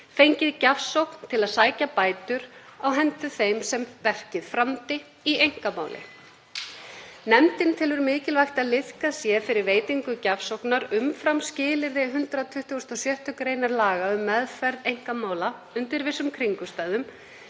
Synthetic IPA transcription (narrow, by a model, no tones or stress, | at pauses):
fejɲcɪðcafsowkn̥t̪ʰɪlaðsaːjcapaːjt̪ʏɾ̥awɦɛnt̪ʏθejmsɛmpɛr̥cɪðfɾamt̪ɪ | iejŋ̥kamaːwlʔɪ̰ | nɛmt̪ɪnt̪ʰɪlvʏɾmɪːcɪlvajxt̪aðlɪð̥kasjɛfɪɾɪɾveːjt̪iŋkʏcafsowknaɾʏmfɾamscɪːlɪɾðɪɦʏnt̪ɾat̪ʰʏht̪uʏst̪ɔsjœht̪ʏkɾeːjnaɾlaːɣaʏmːɛðfɛɾðejŋ̥kamaːwlaʏnt̪ɪɾvɪsːʏmkʰɾiŋkʏst̪aːðʏm